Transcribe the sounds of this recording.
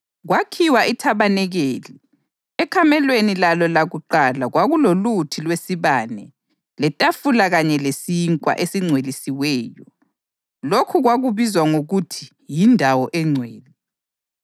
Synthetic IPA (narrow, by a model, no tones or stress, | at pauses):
ɣwakʰiwaʔitʰaβanɛɣeːli | ɛkʰamɛlwenilalɔlaɣuǃalaɣwaɣulolutʰilwesiβanɛ | lɛtʼafulaɣaɲɛlesiŋkʼwa̰ʔesiŋ͡ǀʱwelisiwɛːjɔ | lokʰuɣwaɣuβizwaŋoɣutʰi̥ | jindʱawɔʔɛŋ͡ǀʱweːli